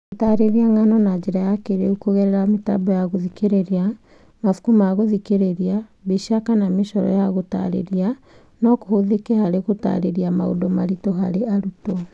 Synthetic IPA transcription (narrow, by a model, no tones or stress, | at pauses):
ɣotaɾeɾiaŋanɔnad͡ʒeɾajakeɾeukoɣɛɾɛɾametabɔjaɣoðikeɾeɾia | mafu̥kumaɣoðikeɾeɾiaβeʃakanameʃɔɾɔ̰jaɣota̰ɾḛɾia | nɔkohoðekehaɾeɣota̰ɾeɾiama̰o̰domaɾitoɦaɾeaɾuto